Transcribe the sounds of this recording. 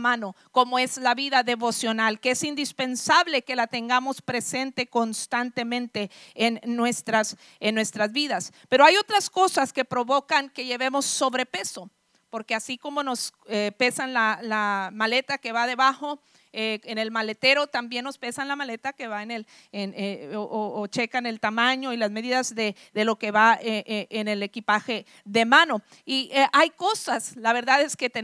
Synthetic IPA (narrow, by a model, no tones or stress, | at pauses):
mãno̞ko̞moe̞zlaβiðaðe̞βo̞sjo̞nalkeesind̪ispe̞nsaβle̞ke̞lat̪e̞ŋɡamo̞spɾe̞se̞nt̪e̞ko̞nst̪ant̪e̞mẽnt̪e̞ːnːwe̞st̪ɾas | enːwe̞st̪ɾazβiðaspe̞ɾo̞ajot̪ɾasko̞saske̞pɾo̞βo̞kaŋke̞ʝe̞βe̞mo̞sːo̞βɾe̞pe̞so̞ | po̞ɾkeasiko̞mo̞no̞sepe̞sanlalamale̞t̪ake̞βaðe̞βaxo̞ | eene̞lmale̞t̪e̞ɾo̞t̪ambje̞nːo̞spe̞sanlamale̞t̪ake̞βaenel | nʔoːt͡ʃe̞kane̞lt̪amãɲo̞ilazme̞ðiðazðe | ðe̞lo̞ke̞βaeʔeene̞le̞kipaxe̞ | ðe̞mãno̞ | iajko̞saslaβe̞ɾðaðe̞ske̞t̪e